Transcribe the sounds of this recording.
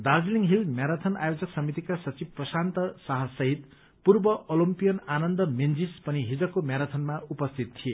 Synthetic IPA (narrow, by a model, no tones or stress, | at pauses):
d̪ad͡zliŋɦilmjaɾat̪ʰʌnajod͡zʌksʌmit̪ikasʌt͡sibprʌsant̪ʌsʌɦʌsʌɦit̪ | purbʌʔolimpijʌnanʌnd̪ʌmend͡zispʌniɦid͡zʌkːomjaɾʌt̪ʰʌnmaupʌst̪ʰit̪t̪ʰie